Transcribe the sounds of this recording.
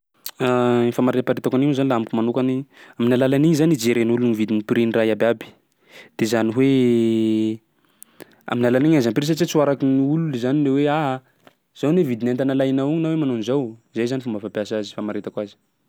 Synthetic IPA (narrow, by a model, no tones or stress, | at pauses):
aifamaɾet̪apaɾet̪akaninuzanilaambikumanukaniaminalalaniɲzanid͡ʒeɾenulunivid̪inipiɾinirajabʲabi̥ | d̪̥ezaniɦwe | a̰minalaniɲazanpɾis̬at͡ʃit͡suwaɾakiniululizanileweaɦa | z̥awnevid̪inant̪analajnauɲinawemanonizawizajzanifumbafapiasazifamaɾet̪akwazi̥